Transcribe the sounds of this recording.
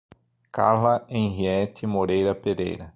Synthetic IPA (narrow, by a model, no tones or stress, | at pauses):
ka̰ɾlɐẽɦiɛt̪ɪmoɾejɾɐpeɾḛjɾɐ